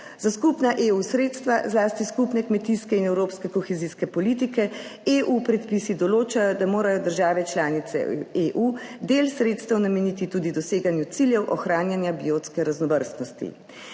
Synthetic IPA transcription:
zaskupnaʔeusɾeːt̪st̪ʋazlaːst̪iskupnɛkmɛt̪iskɛinɛwɾoːpskɛkɔxɛziskɛpɔliːt̪ikɛeʔupɾɛt̪pisid̪ɔloːt͡ʃajɔd̪amoːɾajɔd̪əɾʒaːʋɛt͡ʃlaːnit̪sɛ̰eʔud̪eːlsɾeːt̪st̪ɛwnamɛnit̪it̪uːd̪id̪ɔseːɡanjut̪siljɛwʔɔxɾaːnjanjabijoːt̪skɛɾaznɔʋəɾst̪nɔst̪ḭ

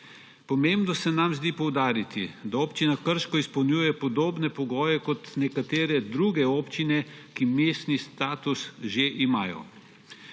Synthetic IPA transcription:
pɔmembnɔsɛnamzd̪iːpɔwd̪aːɾit̪id̪aoːpt͡ʃinakəɾʃkɔispɐwnʲjuːjɛpɔd̪oːbnɛpɔɡɔːjɛkɔt̪nɛkat̪eːɾɛd̪ɾuːɡɛoːpt͡ʃinɛkimeːst̪nist̪aːt̪usʒeʔimaːjɔ̰

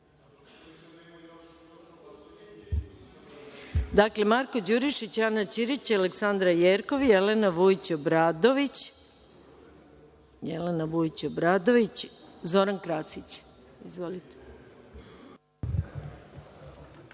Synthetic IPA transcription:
d̪akle̞maɾko̞d͡ʑuɾiʃit͡ɕanat͡ʃiɾit͡ɕialeksand̪ɾajeːɾkoʋjelenaʋuit͡ɕobɾad̪oʋit͡ɕ | jelenaʋuit͡ɕobɾad̪oʋit͡ɕzo̞ɾankɾasit͡ɕ | izʋo̞lit̪e̥

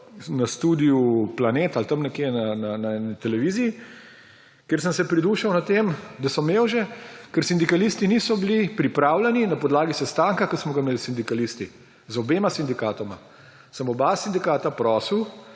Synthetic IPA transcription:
nast̪ud̪ijuplaneːt̪alt̪əmnɛkjenananaɛnit̪ɛlɛʋiːziː | keːɾsənsɛpɾid̪uːʃɐwnat̪eːmd̪asɔmeːwʒɛkɛɾsind̪ikalist̪inisɔbilipɾipɾaːwlɛninɐpɔd̪laːɡisɛst̪aːŋkakəsmɔɡameːlsind̪ikalist̪i | zɔbeːmasind̪ikaːt̪ɔma | səmɔbasind̪ikaːt̪apɾɔːsəw

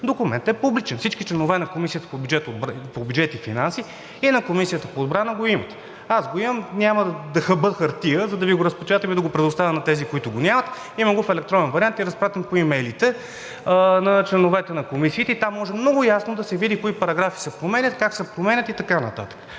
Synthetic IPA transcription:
d̪okumɛ̰nt̪ɛpublit͡ʃɛnfsit͡ʃkit͡ʃlɛnovɛnɐkomisijət̪ə̥pobjud͡ʒɛt̪od̪pobʲjud͡ʒɛt̪ifinansi | inɐkomisijət̪əpoːd̪bɾanəɡoimət̪ | azɡoimɐmnʲaməd̪ɐxɐbɤxɐɾt̪iəzɐd̪ɐviɡoɾəspɛt͡ʃat̪ɛmid̪ɐɡopɾɛd̪ʊst̪avʲənɐt̪ɛzikoit̪ʊɡonʲamɐt̪ | imɐɡofɛlɛkt̪ɾɔnɛnvɐɾiant̪iɾɐspɾat̪ɛmpoimɛjlit̪ɛ | nɐt͡ʃlɛnovɛt̪ɛnɐkomisiːt̪ɛit̪amːɔʒɛmnɔɡʊjasnod̪ɐsɛvid̪ikoipɐɾɐɡɾafi̥sɛpɾomɛnʲət̪kaksɛpɾomɛnʲət̪it̪ɐkanɐ̰t̪a̰t̪ə̥kə̥

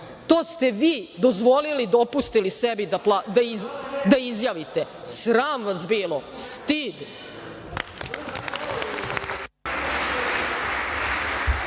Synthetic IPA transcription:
t̪oːst̪eʋiːd̪ozʋo̞lilid̪opust̪ilisebid̪aplad̪ad̪aizjaːʋit̪e | sɾaːmʋasbiːlˠost̪id̪

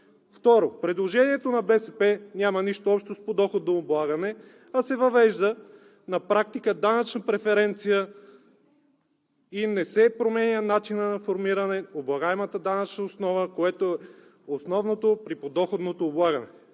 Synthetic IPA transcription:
ft̪ɔɾopɾɛd̪lˠoʒɛniɛt̪onɐbɛsɛpɛnʲamɐniʃt̪oɔpʃnost̪̚pod̪ɔxod̪̚oːblˠaɡɐnɛ | ɐsɛvɐvɛʒd̪ə | nɐpɾak̚t̪ikəd̪anɐt͡ʃnɐpɾɛfɛɾɛnt̪sijə | inɛsɛpɾomɛnʲənat͡ʃinənɐfoɾmiɾɐnɛoblˠɐɡaɛmɐt̪əd̪anɐt͡ʃnɐosnɔvəkoɛt̪oɛ | osnɔvnot̪opɾipod̪ɔxod̪not̪oːblˠaɡɐnɛ

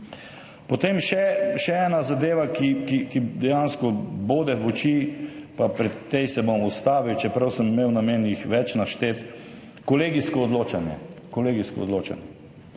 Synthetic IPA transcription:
pot̪eːmʃɛʃɛɛnazad̪eːʋakikikid̪ɛjanskɔboːd̪ɛʋɔt͡ʃiːpapɾɛt̪ːejsɛbomust̪aːʋiwt͡ʃɛpɾɐwsəmimeːwnameːnjixʋɛt͡ʃnaʃt̪eːt̪ | kɔleːɡiskɔːd̪loːt͡ʃanjɛ̰kɔleːɡiskɔ̰ɔ̰d̪loːt͡ʃa̰njɛ

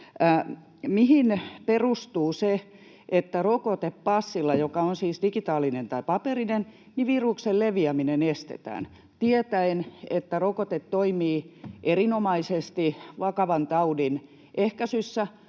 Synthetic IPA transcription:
mihinperust̪uːse | ʔet̪ːærokot̪eppɑsːilːɑjokɑonsiːsdikit̪ɑːlinent̪ɑipɑperinen | niʋirukselleʋiæminenest̪ḛt̪æ̰ːn | t̪iet̪æenet̪ːærokot̪et̪toimiːʔerinomɑisest̪iʋɑkɑʋɑnt̪ɑudin | ʔehkæsysːæ

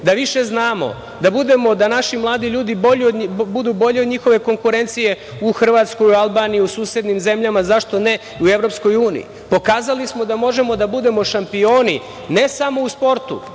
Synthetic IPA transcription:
d̪aʋiʃe̞znaːmo̞̰ | d̪abud̪e̞mo̞d̪anaʃimlˠaːd̪iʎuːd̪iboʎiod̪bud̪ubo̞ʎeod̪ɲixo̞ʋe̞ko̞ŋkuɾe̞nt̪sije̞ | uxr̩ʋat̪sko̞jualˠbaːnijiusuːsje̞d̪nimze̞mʎamazaʃt̪o̞ne̞ | uevɾo̞psko̞juːnḭḭ | po̞kaːzalismo̞d̪amo̞ʒe̞mo̞d̪abud̪e̞mo̞ʃampio̞ːni | ne̞samo̞uspo̞ɾt̪ṵ

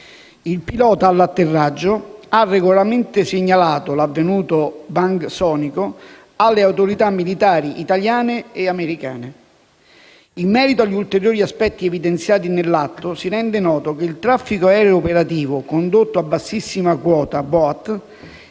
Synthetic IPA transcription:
ilpilɔːt̪aːlːat̪ːerːad͡ʒːoarːeɡolalɾaɾment̪ɪsɪɲːalaːt̪olavːenuːt̪obaŋɡsɔːniko | alːeawt̪oɾit̪amːilit̪aːɾiʔit̪aljaːneeameɾika̰ːne | imːɛːɾit̪oaʎːiult̪eɾjoːɾiaspɛt̪ːiɛvid̪ent̪sjaːt̪inelːat̪ːosiɾɛnd̪enɔːt̪ok̟eilt̪ɾafːikoɛːɾeopeɾat̪iːvokond̪ot̪ːoabːasːisːimakwɔːt̪abɔt̪ː

